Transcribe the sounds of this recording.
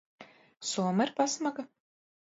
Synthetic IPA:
suɔmaiɾpasmaɡa

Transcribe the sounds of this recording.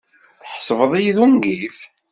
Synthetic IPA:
θħsˤəvəðˤijiðunɡif

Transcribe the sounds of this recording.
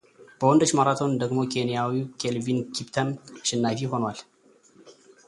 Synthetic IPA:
b̥əwɔnd̪ət͡ʃmaɾat̪ʰo̞nd̪əɡmo̞kʰe̞nijawikʰelvinkʰipt̪ʰəmʃɪnːajfiɦo̞nwal

